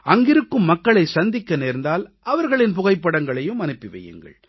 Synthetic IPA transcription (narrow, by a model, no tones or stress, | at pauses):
ɐŋɡɪɾɯkːɯmːɐkːɐɭɐɪsɐnd̪ɪkːɐneːɾnd̪aːl | ɐʋɐɾɣɐɭɪnpʊɣɐɪpːɐɽɐŋɡɐɭɐjɯmɐnɯpːɪʋɐ̰jɯ̰ŋɡɐ̰ɭ